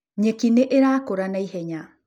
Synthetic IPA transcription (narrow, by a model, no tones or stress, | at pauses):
ɲekineʔeɾaːkoɾanaiɦɛɲa